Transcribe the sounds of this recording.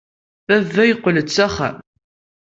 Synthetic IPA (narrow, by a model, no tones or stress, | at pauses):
θævːæjqʷːələt͡sːæχæ̰m